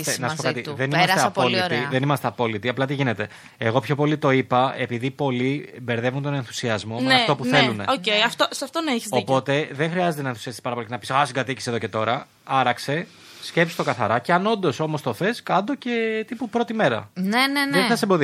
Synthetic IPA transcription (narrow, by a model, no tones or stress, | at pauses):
nɐsupoɐt̪iðenimɐseɐpolitɾiðenimɐst̪eɐpo̞lit̪iɐplɐt̪iʝine̞t̪e̞ | eɣo̞pço̞po̞lit̪o̞ipɐe̞piðipo̞libe̞ɾðe̞vunt̪o̞ne̞nθu̥siɐzmo̞nmeɐft̪o̞puθe̞lune̞̰oejɐft̪osɐft̪onɐiçi̥zopo̞t̪e̞ðeŋxɾiɐzet̪enɐenθu̥siɐst̪i̥pɐɾɐpo̞licenɐpisasiɡɐt̪icisie̞ðoce̞t̪o̞ɾɐ | ɐɾɐkse̞ | sce̞psi̥st̪o̞kɐθɐɾɐceɐno̞nd̪o̞so̞mo̞st̪oθe̞skɐnd̪o̞ce̞t̪ipupɾo̞t̪ime̞ɾɐ̰nenenðeθɐsembo̞ði